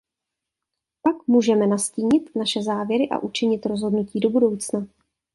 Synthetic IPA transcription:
pakmuːʒɛmɛnasciːɲɪt̪naʃɛzaːvjɛɾɪʔa̰ʔut͡ʃɪɲɪt̪ɾo̞zɦo̞dnuciːdo̞budo̞wt͡sna

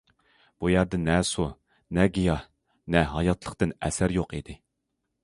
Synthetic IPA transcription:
b̥ujæɾd̪ɪnɛsu | nɛɡʲijɑ | nɛɦɑjɑt̪ʰlˠəqt̪ɨnɛ̰sæɾjoqid̪ɪ

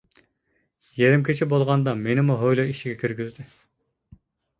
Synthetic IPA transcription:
jeɾɪmkʲʰet͡ʃʰibolˠʁɑnd̪ɑmenɪmuɦojlˠoiʃiɡʲɛkʲʰiɾɡʲyzd̪ɪ

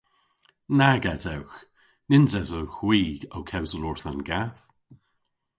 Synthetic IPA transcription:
naɡadɛwx | nɪnzɛzəwxwiːɡ̥owkʰɛwzəlʊɹθənɡaθ

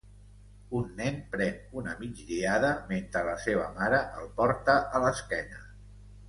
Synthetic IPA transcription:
unːɛnpɾɛnunəmid͡ʒʎiaðəment̪ɾələseβ̞əmaɾəʔəlˠpɔɾt̪əʔələskɛnə

